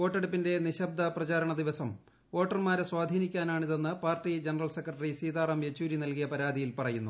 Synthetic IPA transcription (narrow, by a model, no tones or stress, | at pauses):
o̞ːʈːeɽupːinde̞niɕɐb̚d̪ʱɐprɐt͡ɕaːɾɐɳɐd̪iʋɐsɐm | o̞ːʈːɐrmaːɾeswaːd̪ʱiːnikʲːaːnaːɳiðe̞nːɨpaːrtid͡ʑenɐrɐlse̞krɐʈːɐrisiːd̪aːrɐmjet͡ɕːuːɾinɐlkijɐpɐɾaːd̪ʱijilpɐrɐjunːu